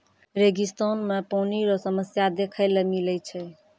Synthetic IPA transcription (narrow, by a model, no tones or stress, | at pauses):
ɾeɡist̪ɔnmepɔniɾɔsəməsjad̪ekʰəɪlemilɛjt͡ʃʰɛ